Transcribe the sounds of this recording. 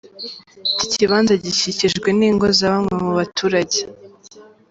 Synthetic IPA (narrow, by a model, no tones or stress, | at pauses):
ticiβaːnzaɟiciciʒɡwe̞niːŋɡo̞zaβamŋe̞muβatuːɾaɟe